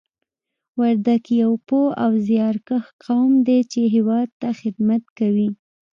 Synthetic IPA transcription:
waɾd̪akjawpoawzjɑɾkəxqawmd̪et͡ʃeɦewɑd̪̚t̪axɪd̪mat̪kawi

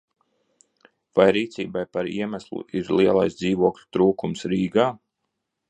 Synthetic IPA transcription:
vajɾiːt̪siːbajpaɾḭɛmæslˠṵʔiɾlˠiɛlˠa̰jsd̪ziːvuɔklʲu̥t̪ɾuːkumsɾiːɡaː

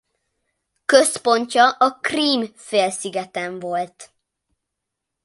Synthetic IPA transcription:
køspo̞ɲcɒʔɒkriːmfeːlsiɡɛt̪ɛɱvo̞lt̪

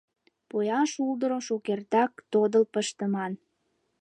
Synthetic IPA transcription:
pojɑʃuld̪əɾoʃokert̪ɑk̚t̪od̪əlpəʃt̪əmɑn

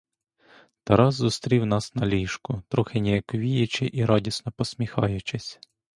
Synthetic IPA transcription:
t̪ɐɾɑzzʊst̪ɾʲiwnɑsnɐlʲiʃkʊt̪ɾɔxɪnʲɛjɐkʋʲijet͡ʃɪʔiɾɑdʲisnɔpɔsmʲixɑjʊt͡ʃɪsʲ

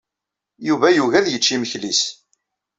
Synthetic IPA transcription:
juvæjuvæðjət͡ʃːiməçlis

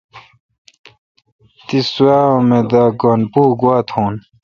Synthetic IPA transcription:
t̪isuaːomed̪aːɡonpuːɡwaːt̪ʰhoːn

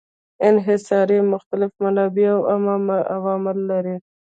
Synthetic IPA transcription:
ɪnɦɪsɑɾimʊxt̪alɪfmanɑbiawammawɑmɪlːaɾi

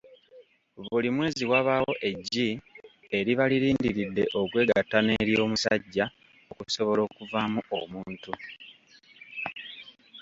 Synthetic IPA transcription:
βulimwe̞ːziwaβaːwo̞ʔe̞ɟːi | e̞ɾiβaliɾiːndiɾidːe̞ʔo̞kwe̞ːɡatːane̞ːɾjo̞ːmusaɟːa | o̞kuso̞βo̞lo̞ːkuvamuo̰muːntu

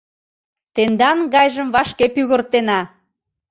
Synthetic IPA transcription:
t̪end̪ɑnɣɑjʒəmvɑʃkepyɣərt̪enɑ

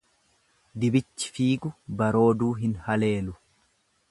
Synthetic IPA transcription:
d̪ɪbɪt͡ʃːɪ̥fiːɡʊbɐɾo̞ːd̪uːɦɪnhɐle̞ːlʊ

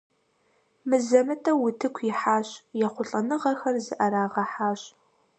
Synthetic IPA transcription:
mɨzɐmɨtʰɐwʊtʰɨkʷʰjɪħaːɕʼjɛχʷʊɬʼɐnɨʁɐxɐrzɨʔɐɾaːʁɐħaːɕʼ

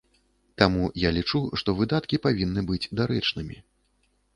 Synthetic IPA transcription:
t̪amujalʲit͡ʂuʂt̪ɔvɨd̪at̪kʲipavʲinːɨbɨd͡zʲd̪aɾɛt͡ʂnɨmʲḭ

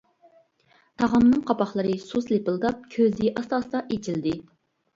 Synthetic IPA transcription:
t̪ʰɑʁɑmnɨŋqʰɑpɑχlˠɨɾɨsuslepɨlˠd̪ɑp̚kʲʰøzɪʔɑst̪ɑsd̪ɑʔet͡ʃʰild̪ɪ

